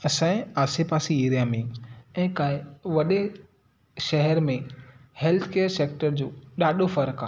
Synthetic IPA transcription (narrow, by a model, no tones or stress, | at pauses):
ɐsãẽaːsepaːsieːɾijamiŋɛ̃ːkaːɦɪʋɐɗe | ʃɐɦɛɾmẽheːlt̪ʰkeːəɾseːkʈəɾd͡ʑoːɗaːɗofɐɾka̰ː